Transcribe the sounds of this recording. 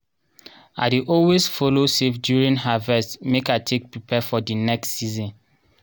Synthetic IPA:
a̰diʔɔwesfolosefdjuɹĩnɦavɛstmekatʰek̚pɹipʰɛfɔdinɛksːizɔ̃n

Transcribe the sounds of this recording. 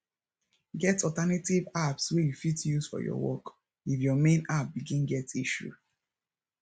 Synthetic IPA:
ɡɛtɔltanativapswejufitjusfɔ̰jɔ̰wɔ̰k | ifjɔmẽnap̚biɡĩnɡɛtiʃṵ

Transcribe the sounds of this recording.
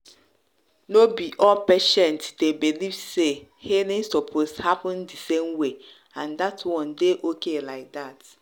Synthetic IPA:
nobiʔɔpeʃɛ̃ntdebiliv̥sehelĩnsɔpʰoshapɔ̃ndisẽmwe | ãndatʰwɔ̃ndeʔokelaɪk̚dat

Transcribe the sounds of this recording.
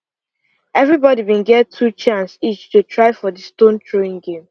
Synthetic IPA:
ɛvɹibɔdibĩnɡɛttʰːut͡ʃãnsit͡ʃtutʰɹaɪfɔdəstõntʰɹoĩŋɡẽm

